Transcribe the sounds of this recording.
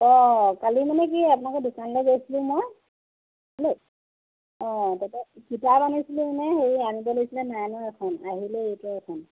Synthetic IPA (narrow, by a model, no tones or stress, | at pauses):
ɔkalimanɛk̬iapunakɔdusʰanlojɡojsilʊ̃moj | lek | ɔtatɛkitapanisilũmanɛheɹiamibɔlojsilɛnajnɔɛkʰɔnaɦilɛejtuɛkʰɔn